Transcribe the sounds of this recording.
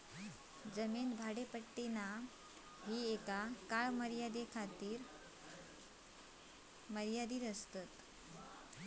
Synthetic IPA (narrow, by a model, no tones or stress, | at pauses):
d͡zəmiːnbʱaɽepəʈːina | ɦiːekakaɭməɾjad̪ekʰat̪iːɾ | məɾjad̪iːɾəst̪at̪